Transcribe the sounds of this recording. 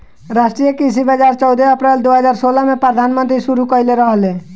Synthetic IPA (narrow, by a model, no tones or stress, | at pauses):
ɾasʈɾijekisibʱəd͡ʒaɾt͡ʃɔʊd̪ʱeəpɾeld̪uɦəd͡ʒaːɾsoːlamẽpɾəd̪ʱaːnmə̃nt̪ɾisuɾukəjleɾəɦəle